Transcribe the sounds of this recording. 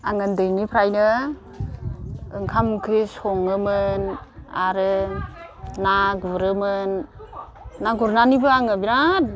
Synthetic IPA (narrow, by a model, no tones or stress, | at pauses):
aŋɯndɯjnipʰɾajnɯ | ɯŋkʰamkʰɾishɔŋɯmɯnaɾɯ | naɡɾɯmɯnː | aɡuɾnanibɯaŋɯbiɾat̚